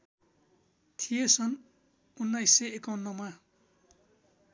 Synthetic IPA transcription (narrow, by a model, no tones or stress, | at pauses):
t̪ʰijet͡sʰʌn | unːajsːeekʌwnːʌma